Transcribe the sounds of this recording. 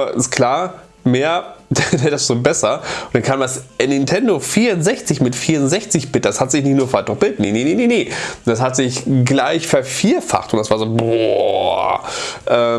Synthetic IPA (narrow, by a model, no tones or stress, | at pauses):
ɪ̰skʰl̥aːɐ | meːɐd̥dɛdasz̥obɛsɐʊnd̥ankʰaːmdasnːɪntʰɛndofiːɐʊntz̥ɛçt͡sɪçmɪtfiːɐʁʊntzɛçt͡sɪçb̥ɪt̚d̥ashatz̥ɪçnɪçtnuːɐfatɔχb̥ɪlt̚tneneneneneːd̥ashatz̥ɪçɡlaɪçfɛɐfiːɐfa̰χtʊnd̥asv̥aːɐzoːbɔ | ʔɛː